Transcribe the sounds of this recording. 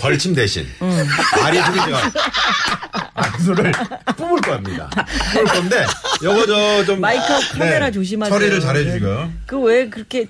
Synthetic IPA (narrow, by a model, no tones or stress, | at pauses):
pʌɭt͡ɕʰimde̞ɕʰḭn | aɾietʰuɡiiɡa | a̰s̬ʰoɾɯɭp͈umɯɭk͈ʌamɲida̰pumɯɭk͈ʌnde̞jʌɡʌd͡ʑʌt͡ɕommaikʰʌkʰɯɾeɾat͡ɕoɕ̬ʰimat͡ɕʰʌɾiɾɯɭt͡ɕaɾɦed͡ʑuɕiɡojokɯwekɯɾʌkʰe